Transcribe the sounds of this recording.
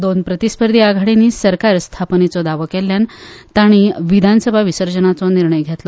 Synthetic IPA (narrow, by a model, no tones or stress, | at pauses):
d̪onpɾət̪ispəɾd̪ʱiaɡʱaɽiniːsəɾkaɾst̪ʰapnet͡sɔd̪aʋokɛlːjant̪aɽ̃iʋid̪ʱansəbʱaʋisəɾd͡ʑənat͡sɔniɾɳəjɡʱjɛt̪lɔ